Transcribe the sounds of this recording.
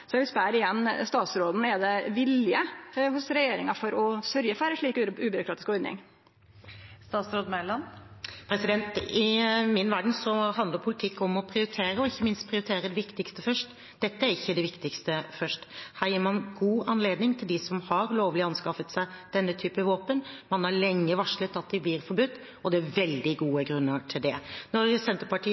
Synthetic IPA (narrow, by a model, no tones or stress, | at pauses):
sɔʋɪspæːɾɪjɛnːst̪ɑːt̪sɾoːd̪n̩ɛd̪ɛʋɪlɪəhʊsɾɛjeːɾɪŋɑfɔɾɔsœɾjəfæɾəʂɭiːkʉːbʏɾʊkʰɾɑːt̪ɪskɔɾnɪ̰ŋ | st̪ɑːt̪sɾoːd̪mælɑnpʰɾɛsɪd̪ɛnt̪ɪmɪnʋæɖɳ̩n̩sɔhɑnd̪ləɾpʰʊlɪt̪ʰɪkːɔmɔpʰɾɪʊɾɪt̪ʰeːɾəɔɪçːəmɪnst̪̚pʰɾɪʊɾɪt̪ʰeːɾəd̪ɛʋɪkt̪ɪkst̪əfœʂʈ | d̪̥ɛt̪ːəæɾɪçːəd̪ɛʋɪkt̪ɪkst̪əfœʂʈhæːɾjiːɾmɑnɡuːɑnleːd̪nɪŋt̪ʰɪld̪ɪsɔmhɑɾloːʋlɪɑnskɑfət̪sæɪd̪̥ɛnːət̪ʰyːpəʋoːpənmɑnhɑlɛŋːəʋɑʂlət̪ɑt̪̚d̪ɪblɪɾfɔɾbʉt̪ː | ɔd̪ɛæʋɛld̪ɪɡuːəɡɾʉnːəʈʰɪld̪ɛnɔɾsɛnt̪ɾəpɑʈʰiː